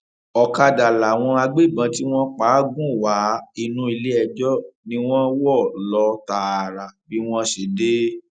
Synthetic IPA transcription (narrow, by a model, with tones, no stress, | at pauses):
ɔ˨ka˧da˨la˨w̃ɔ̃˧a˧ɡ͡be˦˨bã˨˧˦ti˦w̃ɔ̃˦k͡paː˨˦ɡũ˦˨wa˨˦i˧nũ˧˦i˧le˦ɛ˧d͡ʒɔ˦nĩ˦w̃ɔ̃˦wɔ˦˨lɔ˧˦ta˨ɾa˨bi˨˦w̃ɔ̃˦ʃe˨de˦